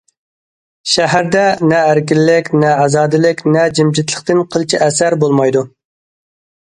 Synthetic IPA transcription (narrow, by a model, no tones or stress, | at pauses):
ʃæɦæɾd̪ɛnɛæɾkʲilːɪkʲnɛɑzɑːd̪ɪlɪkʲnɛd͡ʒɪmd͡ʒɪt̪lˠəχt̪ɪnqʰəlˠt͡ʃʰiæsæɾbolˠmɑjd̪u